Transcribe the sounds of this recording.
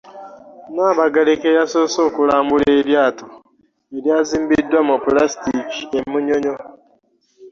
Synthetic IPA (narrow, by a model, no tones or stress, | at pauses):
naːβaɡaɾekejasosoːkulaːmbuleːɾjaːto | eɾjaːziːmbidwamopulastikiemuɲoɲo